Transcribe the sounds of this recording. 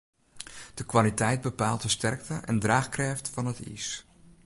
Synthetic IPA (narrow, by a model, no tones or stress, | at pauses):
d̥əkʋalitɛjd̚bəpaːlˠt̚dəstɛrk̚təʔɛ̰ndraːxkrɛːftfɑnətḭs